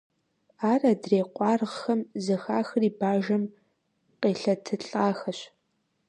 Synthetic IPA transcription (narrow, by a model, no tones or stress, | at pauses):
aːraːdreːqʷʼɑːrʁxɐmzɨxaːxɨriːbaːʒɐm | qeːɬɐtʰɨɬʼaːxɐɕ